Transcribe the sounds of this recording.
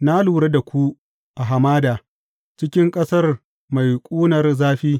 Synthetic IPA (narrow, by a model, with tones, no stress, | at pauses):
na˦luː˨ɽe˦da˨kʷu˦ | ʔa˨ɦa˨maː˦daː˨ | t͡ʃɪ˦kʲɪ˦ŋkʼɐ˦sɐ˦r | ma˨jkʷʼuː˦nɐ˨rzaː˦ɸiː˦